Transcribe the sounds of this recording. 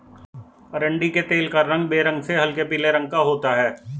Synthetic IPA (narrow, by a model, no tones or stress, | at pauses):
əɾə̃ɳɖiket̪eːlkaɾːə̃ŋɡbeːɾə̃ŋɡseɦɐlkepiːleɾə̃ŋɡ̚kaɦoːt̪aɦɛː